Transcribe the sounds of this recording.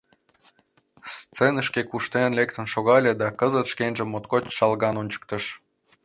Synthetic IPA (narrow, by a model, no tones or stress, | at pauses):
st͡senə̆ʃkekuʃt̪enlʲekt̪ə̆nʃoɣɑlʲĕd̪ɑkəzət̪ʃkenʒə̆mːot̪kot͡ɕʃɑlɣɑnonʲt͡ɕə̥k̚t̪ə̆ʃ